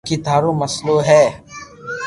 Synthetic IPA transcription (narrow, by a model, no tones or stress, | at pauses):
kid̪ʱaːɾõmɐsloɦɛː